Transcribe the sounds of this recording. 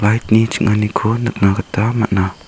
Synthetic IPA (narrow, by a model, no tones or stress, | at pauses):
lajt̚nit͡ʃiŋanikʰɔnak̚nakatama̰ʔna